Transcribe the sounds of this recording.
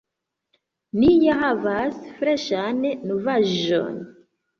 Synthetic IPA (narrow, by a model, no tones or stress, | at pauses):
nijaɦavasfɾeʃannuvaʒo̰n